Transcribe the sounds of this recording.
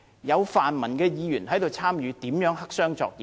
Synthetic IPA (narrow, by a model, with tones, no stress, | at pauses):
jɐ˨˧wfaː˨nmɐ˨˩nkɛː˧jiː˨˧jyː˨˩nɦɐ˨˥jt̪o˨wt͡sʰaː˥mjyː˨˧t̪iː˨˥mjœː˨˥ŋɦɐ˥k̚sœː˥ŋt͡sɔ̰ː˧k̚jiː˨